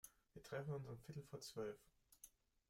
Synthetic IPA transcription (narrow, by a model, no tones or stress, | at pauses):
viːɐtʁ̥ɛfn̩ʊnzʁənfɪtl̩fɔɐt͡sv̥œlf